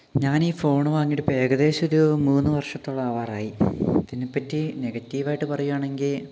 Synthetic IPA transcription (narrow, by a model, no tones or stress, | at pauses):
ɲaːniːfo̞ːɳɨʋaːŋːijɽɨpe̞ːɡɐðe̞ːɕoɾumuːnːɨʋɐrʂɐt̪ːoɭːɐːʋaːraːjit̪inːepːɐtːine̞ɡɐtːiːʋaːjiʈːɨpɐrɐjuːaːɳe̞ŋɡil